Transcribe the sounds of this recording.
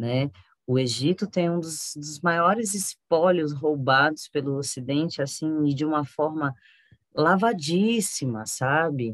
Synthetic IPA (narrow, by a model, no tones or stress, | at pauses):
nɛ | ʊeʒit̪ʊt̪ẽj̃ũd̪ʊzd̪ʊzmajɔɾɪzɪspɔʎʊsɦowbad̪ʊspelʊosid̪ẽnt͡ʃɪasĩɪd͡ʒɪũmɐfɔɾmɐ | lavad͡ʒisimɐsabɪ